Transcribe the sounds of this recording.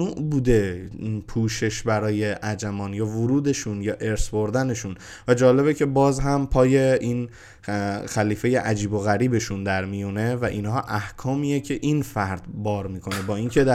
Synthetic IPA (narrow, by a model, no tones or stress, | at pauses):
uːʔbuːd̪e̞pʰuːʃe̞ʃbæɾɒːje̞ʔæd͡ʒæmɒːnjɒːvoɾuːd̪e̞ʃunjɒːʔe̞ɾsbo̞ɾd̪æne̞ʃun | væd͡ʒɒːle̞βecʰe̞bɒːzɦæmpʰɒːjeʔiːn | xæliːfe̞je̞ʔæd͡ʒiːbo̞ɣæɾiːbe̞ʃund̪æɾmijune̞væʔinhɒːʔæhkʰɒːmijecʰe̞ʔinfæɾd̪bɒːɾmiːkʰo̞ne̞bɒːiːncʰed̪